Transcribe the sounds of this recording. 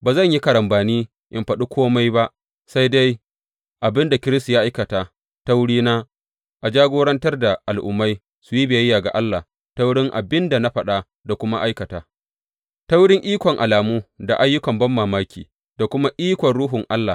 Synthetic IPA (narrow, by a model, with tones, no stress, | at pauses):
baː˨zɐ˦˨ɲji˦kɐ˨ɽɐ˨mbaː˨niː˦ | ʔɪ˨mɸɐ˨ɗu˦kʷʰoː˦ma˦jba˦ʔ | sa˦jda˦j | ʔa˨bɪ˦nda˨kʲɪ˦ɾɪ˦stu˨jaː˦ʔa˦jkɐ˨taː˨ | ta˦wɽiː˦naː˦ | ʔa˨d͡ʒaː˦ɡʷoː˦ɽɐ˦ntɐ˦rda˨ʔa˨lʔʊ̰˨mːa˦j | su˨ji˦beː˨jɐ˦jːaː˨ɡa̰˨ʔa˦lːa˨ | ta˦wɽɪ˦ŋʔa˨bɪ˦nda˨na˦ɸɐ˦ɗa˦ | da˨kʷʊ˦ma˦ʔa˦jkɐ˨taː˨ | ta˦wɽɪ˦ŋʔiː˦kʷɔ˨ŋʔa˨laː˨muː˦da˨ʔa˦jːʊ˦kɐ˨mbɐ˦mːaː˨maː˦kʲḭː˨ | da˨kʷʊ˦ma˦ʔiː˦kʷɔ˨nɽuː˦ɦʊ˨ŋʔa˦lːa˨